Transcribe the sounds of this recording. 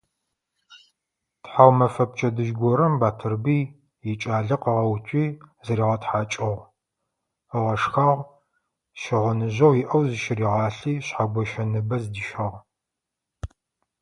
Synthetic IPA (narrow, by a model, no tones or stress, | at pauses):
tħawmɐfɐp̚t͡ʃʼɐdɨʒɡʷɔɾɐmbaːtʰɨrbiː | jɛt͡ʃʼaːɮɐqɐʁɐwt͡ʃʷʼiːzɐɾiːʁɐtħaːt͡ʃʼɐʁ | əʁɐʂxɐʁ | ʃɪʁʷʊnɨʑɐwjiʔɐwzɨʃɪriːʁɑːɬiːɕħaɡʷɔʃɐnɨbɐzdiʃɐʁ